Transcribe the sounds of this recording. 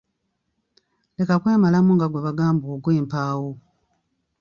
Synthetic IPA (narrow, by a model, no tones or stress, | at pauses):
le̞kakwe̞ːmalamuŋɡaɡweβaɡaːmbuuɡweːmpaːwo